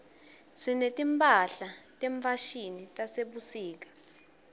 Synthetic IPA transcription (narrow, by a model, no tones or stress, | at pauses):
sinetʼimpʼaɬatʼɛɱfaʃinitʼaseɓusiːk̬ḁ